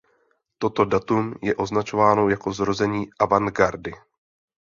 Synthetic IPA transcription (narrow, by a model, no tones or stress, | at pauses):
t̪o̞t̪o̞dat̪umjɛʔo̞znat͡ʃo̞vaːno̞jako̞zɾo̞zɛɲiːʔavanɡaɾdɪ